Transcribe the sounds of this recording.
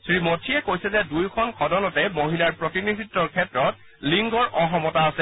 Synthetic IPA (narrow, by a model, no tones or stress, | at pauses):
sɹimotʰiɛkojsɛzɛdujkʰɔnkʰɔdɔnɔtɛmoɦilaɹpɹotinidʱitːɔɹkʰɛtɹɔt̚ | liŋɡɔɹʔɔɦɔmɔtaːsɛ